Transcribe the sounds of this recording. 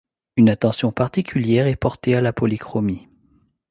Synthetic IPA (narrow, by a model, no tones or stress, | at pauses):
ynat̪ɑ̃sjɔ̃paʁt̪ikʲʰyljɛʁɛpɔʁt̪ealapɔlikχɔmi